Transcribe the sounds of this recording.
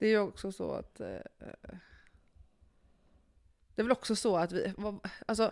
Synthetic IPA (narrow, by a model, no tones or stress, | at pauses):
d̪̥ɛæɾjɵɔksɔsɔ̰a̰t̪ː | d̪̥ɛːɾvɛlɔksɔsɔat̪vɪ̰vɑals̬ɔ